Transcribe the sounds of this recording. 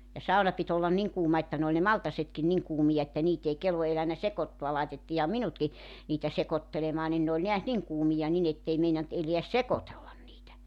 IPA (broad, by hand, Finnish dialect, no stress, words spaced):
jɑ sɑunɑ pit olːɑn niŋ kuːmɑ etːæ n oːlʲ ne mɑltɑsetkin niŋ kuːmijɑ etːæ niːt ei kelʋo elænæ sekotːuɑ lɑitetːiːhɑ minutki niːtæ sekotːelemɑː nin ne olʲ neæs niŋ kuːmijɑ nin etːei meinɑnt eleæs sekotelːɑn niːtæ